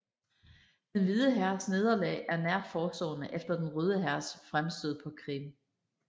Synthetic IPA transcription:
d̥enʋið̞ˠəɦæɐsne̝ð̞ˠɐlɛ̰ɪʔæɐnæɐ̰̥fɒːsd̥ɔ̰̽ːnəʔefd̥ɐd̥enʁøːð̞ˠəɦæɐ̰sfʁamsd̥øð̰ˠpʰɒ̽kʰʁḭm

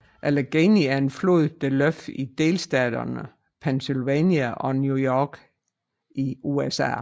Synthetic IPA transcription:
ʔæleɡ̥eniæɐe̝nflo̝ðˠd̥eløfid̥e̝ːlsd̥ɛ̰ːd̥ɐ̰nə | pʰensilʋɛniæʔɒ̽njujɒɡ̥ | ʔiuesæ̰

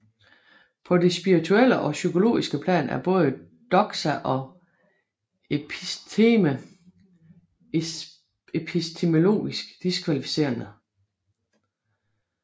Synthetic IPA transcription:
pʰɒ̽d̥e̝sb̥iʁit͡sʰuel̰əʔɒ̽sykʰo̝lo̝̰ːisɡ̥əpʰlɛ̰ːnæɐb̥ɔ̽ːð̞ˠə | d̥ɒ̽ɡ̥sæʔɒ̽ | emə | epʰisd̥ʰe̝mo̝lo̝̰ːisɡ̥d̥iskʰʋælifi̥se̝̰ɐnə

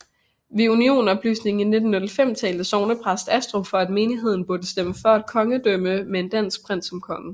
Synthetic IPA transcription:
ʋeunio̝̰ːn̩ɒ̽b̥ly̰ːsne̝ŋ̩ine̝d̥n̩ːɔ̽lfem̰t͡sʰɛ̰ːld̥əsɒʊnəpʰʁasd̥æsd̥ʁo̝fɒ̽æd̥me̝ːniɦe̝ð̞̰ˠn̩b̥uɐd̥əsd̥eməfɒɐæd̥̚kʰɒ̽ŋəd̥øməmee̝nd̥æn̰sɡ̥̚pʰʁan̰̥sɒ̽mkʰɒ̽ŋə

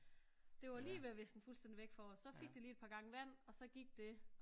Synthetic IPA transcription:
d̥e̝ʋɑ̈liːʋeʋe̝sd̥n̩fulsd̥en̰diʋeɡ̥fɒsːɒ̽feɡ̥̚d̥iliːed̥̚pʰɑ̈ːɡ̥ɑ̈ŋəʋæn̰ɒ̽sɒ̽ɡ̥iɡ̥̚d̥e̝

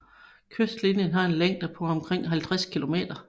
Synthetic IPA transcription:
kʰøsd̥linjənɦɑ̈e̝nleŋ̰d̥æpʰɒ̽ɒ̽mkʰʁeŋ̰ɦælt͡sʰʁaskʰilo̝me̝̰ːd̥ɐ

